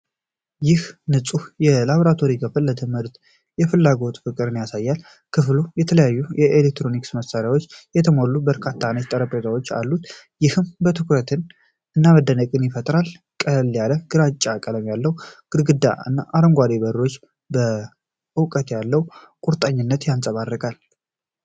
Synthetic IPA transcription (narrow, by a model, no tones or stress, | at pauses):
jɪhnɨsʼujɛlaβoɾat̪ʰo̞ɾikʰəfɨlːət̪ʰɨməɾt̪ | jɛfɨlːaɡo̞t̪ʼɨfɨkʼːɨɾɨnjasajːal | kʰɨflujɛt̪ʰələjajːujɛʔelek̚t̪ɾo̞niksməsaɾjawo̞t͡ʃːjɛt̪ʰəmolːubəɾkʰat̪ʰːanət͡ʃt̪ʼəɾəpʼet̪ʰawot͡ʃːa̰lːut̪ | jɪhɨmbət̪ʰɨkɾət̪ʰɨn | ʔɨnːaməd̪ːənəkʼɨnjɪfət̪ʼɾal | kʼəlːjaləɡ̥ɨɾat͡ʃʼːakʼələmjalːəwɡ̥ɨɾɡɨd̪ːa̰ɨ̰nːaʔaɾəŋɡʷad̪ebəɾɾo̞t͡ʃː | bə | ʔɨwkʼət̪jalːəw | kʷʼuɾt̪ʼaɲːɪnːət̪jansʼəβarːəkʼal